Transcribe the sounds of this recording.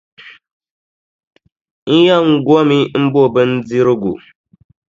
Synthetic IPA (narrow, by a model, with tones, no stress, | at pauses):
ŋ̩˦ja˦ŋ̩˦ɡo˦mi˦m̩˦bo˦˨bə˦n̩˦d͡zi˦ɾɨ˦ɡu˨